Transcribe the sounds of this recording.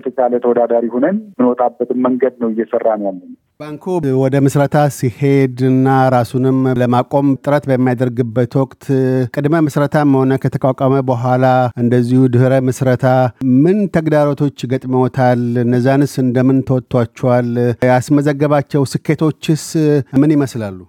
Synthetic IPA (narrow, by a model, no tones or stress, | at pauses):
ət̪ʰət͡ʃalət̪ʰəwɔd̪ad̪aɾihonənmɨnwɔt̪ʼabːət̪ʰɨmməŋɡəd̪nəwɪjːɛsərːanjalːən | baŋkʰowɔd̪əmɨsɾət̪ʰasihe̞d̪ɨnːaɾasunɨmləmakʼo̞mt̪ʼɨɾət̪bəmːijad̪əɾɡɨbːət̪wɔkʼt̪ʰkʼɨd̪məmɨsɾət̪ʰamːəho̞nəkʰət̪ʰəkʼakʷʼaməbəɦʷalaʔɨnd̪əzːihud̪ɨhɾəmɨsɾət̪ʰamɨnt̪ʰəɡd̪aɾo̞t̪ʰo̞t͡ʃːɡət̪ʼmiwɔt̪ʰalɨnəzːanɨsɨnd̪əmɨnt̪ʰəwɔt̪ʰʼːwat͡ʃːɛwaljasməzəɡːəβat͡ʃːɛwsɨkːe̞t̪ʰo̞t͡ʃːɪsmɨnjɪməslalːu